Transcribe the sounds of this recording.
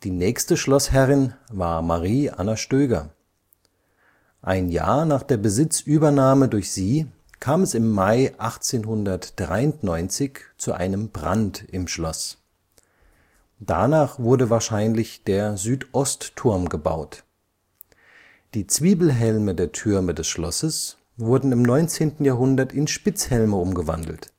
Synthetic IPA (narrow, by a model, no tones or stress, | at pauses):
d̥iːnɛːçstəʃlɔshɛʁɪnvaːɐmaʁiːʔa̰naʃtøːɡɐ | ʔaɪnja̰ːɐnaːχd̥eːɐbəzɪt͡sʔyːbɐnaːmədʊɐçz̥iː | kʰaːmɛsɪmːaɪʔaχt͡seːnɦʊndɐtd̥ʁa̰ɪʊntnɔʏnt͡sɪçt͡suʔa̰ɪnəmbʁa̰ntɪmʃlɔs | d̥a̰naːχv̥ʊɐdəvaːɐʃaɪnlɪçd̥eːɐzyːtʔɔstʰːʊɐmɡəba̰ʊt | d̥iːt͡sv̥iːbl̩ɦɛlmədeːɐtʰʏɐmədɛsʃlɔsəs | v̥ʊɐdn̩ɪmnɔʏnt͡seːntn̩jaːɦʊndɐtɪnʃpɪt͡shɛlməʊmɡəva̰ndl̩t